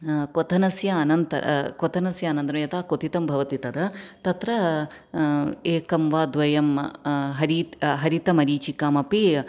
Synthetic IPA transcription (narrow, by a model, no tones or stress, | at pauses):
kot̪ʰɐnɐsjaːnɐnt̪ɐ̰ɾɐ̰kot̪ʰɐnɐsjaːnɐnt̪ɾɐmjɐt̪aːkot̪it̪ɐmbʱɐʋɐt̪it̪ɐd̪ɐt̪ɐt̪ɾɐ | eːkɐmʋaːd̪ʋɐjɐmɦɐɾiɦɐɾit̪ɐmɐɾiːt͡ʃikaːmɐpi